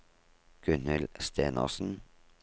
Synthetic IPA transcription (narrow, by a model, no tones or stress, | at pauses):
ɡ̥ʉnəlst̪ʰeːnʔə̰ʁsn̩